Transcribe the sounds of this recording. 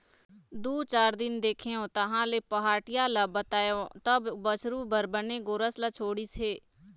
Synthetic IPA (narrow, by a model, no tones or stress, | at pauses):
d̪uːt͡ʃaːɾd̪ɪnd̪eːkʰeːõːt̪əɦãːleːpəɦaːʈɪjaːləbət̪aːjõt̪əbbət͡ʃʰɾuːbəɾbəneːɡoɾəslət͡ʃʰoːɽiːseː